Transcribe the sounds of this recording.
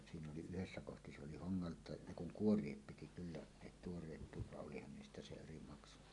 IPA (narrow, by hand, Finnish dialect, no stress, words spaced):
siːn oli yhesːæ kohti se oli hoŋːɑltˑɑˑe ne kuŋ kuorˑiep piti kylːæ ne tuorˑeːt puːt ʋɑʔ ʔolihɑn niːstæ se eri mɑksu